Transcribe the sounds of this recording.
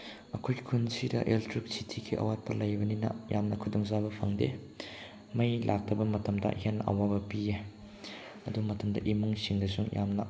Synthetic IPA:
ɐkʰojkʰunsidɐ̰ʔeltɾik̚sitʰikʰiʔɐ̰wat̚pɐlɐjbɐninɐ̰jamnɐkʰudɔŋzabɐpʰɐŋdḛ | mɐjlʔak̚tɐbɐmɐtɐmdɐ̰henʔɐ̰wabɐpie | ɐ̰dumɐtɐmdɐ̰ʔimuŋsiŋdɐsuŋjʔa̰mnɐ̰

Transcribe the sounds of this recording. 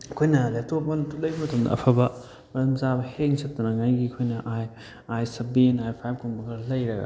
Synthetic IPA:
ɐkʰojnɐletopɐntulɐjbɐmɐtɐmdɐ̰ːpʰɐbɐ | mɐɾɐmzabɐheŋsɐt̚tːɐnɐŋajɡiɐkʰojnɐʔaj | ajsɐbinajpʰajb̚koŋbɐɡɐɾlɐjɾɐɡɐ̰

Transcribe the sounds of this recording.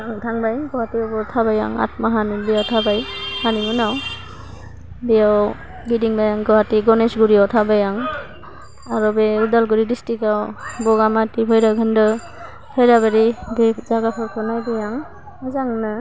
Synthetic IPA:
aŋtʰaŋbajɡɔwatiɔbɔtʰabaja̰ŋa̰t̚maɦanibijawtʰabajhaniŋunaw | bejaw | ɡidiŋbajaŋɡɔwatiɡɔnesɡuɾiawtʰabajaŋ | aɾɔbeudalɡuɾidistikawbɔɡamatibʰɔjɾaɡɯndɯ | pʰɔjɾabaɾibezaɡapʰɔɾpʰɔnajbajaŋ | azaŋnɯ

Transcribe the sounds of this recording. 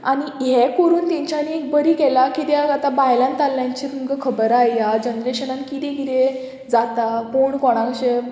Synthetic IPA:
aɽ̃iɦɛkoɾuːnt̪ãɲt͡ɕaniek̚bəɾiːkɛlakit̪jaat̪abajlãnt̪alːjãɲt͡ɕit̪umkəkʰəbəɾajjad͡ʑənd̪ɾeɕənãnkit̪ɛ̃ɡit̪e | d͡zat̪akoɳkɔɽ̃ãkəɕe

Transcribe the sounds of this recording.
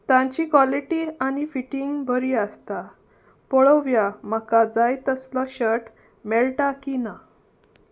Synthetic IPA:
t̪ãɲt͡ɕikʋɔliʈianifiʈiŋɡbʱəɾiːəst̪a | pɔɭɔʋjam̤əkad͡zajt̪əslɔɕəʈ | mɛlʈakina

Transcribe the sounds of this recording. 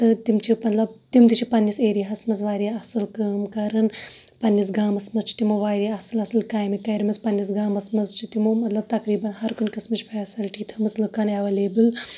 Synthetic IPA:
t̪ɨt̪imt͡ʃʰimɐt̪lɐbt̪imt̪it͡ʃʰipɐnːiseːɾijɦɐsmɐzʋaːɾeɐsɨlkɐːmkɐɾɨn | pɐnːis̬ɡaːmɐsmɐzt͡ʃʰi̥t̪imoʋaːɾiɐsɨlɐsɨlkaːjmikɐɾmɐspɐnːis̬ɡaːmɐsmɐzt͡ʃʰit̪imomɐt̪lɐb̚t̪ɐkɾiːbɐnhɐɾkunʲkɐsmɨt͡ʃʰfʰaːsilʈiːt̪ʰɐmɐt͡slɨkaːneʋɐleːbɨl

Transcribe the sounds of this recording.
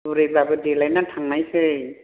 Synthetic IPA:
uɾɯjbabɯdelajnatʰaŋnajsɯ

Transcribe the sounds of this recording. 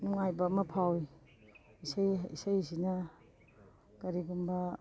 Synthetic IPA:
nuŋajbɐmɐpʰawi | isajisajzinɐ | kɐɾiɡumbɐ

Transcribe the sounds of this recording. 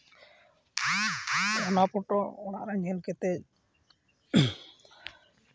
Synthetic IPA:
ɔnapɔʈɔɔna̰ʔɾaɲɛlkɛt̪ɛ

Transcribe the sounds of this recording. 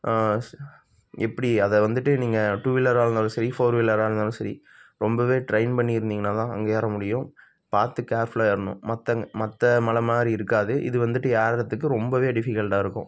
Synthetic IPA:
ɛpːɐɽiɐðɐʋɐnd̪ɯʈːɯniːŋɡɐʈuːʋɪlːɐɾaːɾɯnd̪aːlɯ̃sɐɾifoːɾʋɪlːɐɾaːɾɯnd̪aːlɯ̃sɐɾḭ | ɾɔmbɐʋeːʈɾɐɪnpɐɳːiɪɾɯnd̪iːŋɡɐnːaːt̪ãːɐ̰ŋɡejaːɾɐmʊɽɪjʊ̃ | paːɾt̪ːɯkːaːɾflaːɪɾɯnʊ̰̃mɐt̪ːɐŋmɐt̪ːɐmɐlɐmaːd̪ɾiɪɾɯkːaːðɯʔɪ̰ðɯʋɐnd̪ɯʈːɯjaːɾɾɐt̪ːɯk̬ːɯɾɔmbɐʋeːɖɪfɪkːɐɭʈaːɪɾɯkːʊ̰̃

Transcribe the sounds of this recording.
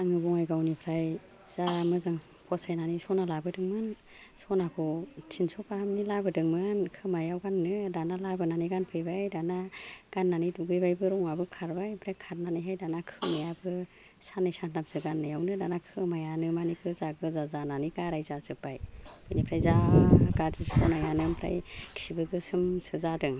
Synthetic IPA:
aŋɯbɔŋajɡawnipʰɾaj | z̥amɯzaŋ | pʰɔsajnanisɔnalabɯdɯŋmɯn | sɔnakʰɔtʰinsɔpahamnilabɯdɯŋmɯnkʰɯmajawɡanːɯdanalabɯnaniɡanpʰɯjbajdanaɡ̥anːanɯjduɡɯjbajbɯɾɔŋabɯkʰaɾbajpʰɾajkʰaɾnanɯjɦajdanakʰɯnajabɯ | sanɯjsatnap̚sɯɡanːɯjawnɯdanakʰɯmajanɯmanikʰɯzaɡɯzazananiɡaɾajzazɯbajpʰɯjnipʰɾajzaɡadisɔnajanɯmpʰɾa̰jkʰsibɯɡɯsɯmsɯzadɯŋ

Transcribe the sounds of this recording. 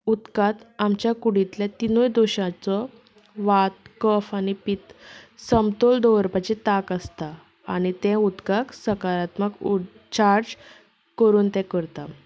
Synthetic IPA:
ut̪kat̪amt͡ɕjakuɽit̪lẽt̪inojd̪oɕãt͡sɔ | ʋat̪̚kəfañipit̪səmt̪old̪ɔʋəɾpat͡ɕit̪akəst̪a | a̰nit̪ẽut̪kaksəkaɾat̪məku | t͡ɕaɾd͡ʑ | kəɾuːnt̪ɛ̃kəɾt̪a

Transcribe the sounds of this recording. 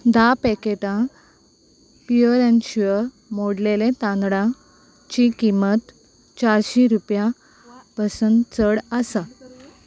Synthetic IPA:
d̪apɛkeʈã | piəɾanɕʋə | moɽlelẽt̪ãnd̪ɽã | t͡ɕikimət̪ | t͡ɕaɾɕiɾupjã | pəsənd̪t͡səɽəsa

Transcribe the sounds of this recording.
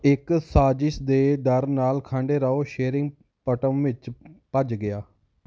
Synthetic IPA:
ɪksaːd͡ʒɪʃd̪eːd̪əɾnaːlkʰãːɳɖeːɾaːoːʃeːɾɪ̃ŋɡ | pəʈəmʋɪt͡ʃpəd͡ʒɡɪjaː

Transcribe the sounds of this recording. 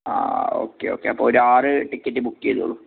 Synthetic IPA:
a̰ːo̞̰ːkːḛoːkːeɐpːoːoɾaːrɨʈikːɐtːɨbukːieðṵɭːu

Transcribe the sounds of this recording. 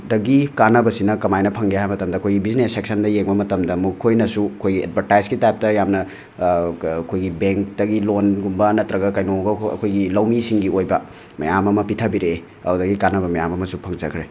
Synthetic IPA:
dɐɡikanɐbɐsinɐkɐmajnɐpʰɐŋɡeɦajmɐtɐmdɐɐkʰojɡibiznesek̚sɐndɐjeŋbɐmɐtɐmdɐmukʰːojnɐsuɐkʰojɡiḛd̚bʱɐɾtajzɡitajp̚tɐjamnɐ | kʰojɡibeŋk̚tɐɡilonɡumbɐnɐtɾɐɡɐkɐjnoɡɐɐ̰kʰojɡilɐwmisiŋɡiojbɐ | mɐ̰jamɐmɐpitʰɐbiɾe | ɐ̰udɐɡikanɐbɐmɐjamɐmɐsupʰɐŋd͡ʒɐkʰɾe

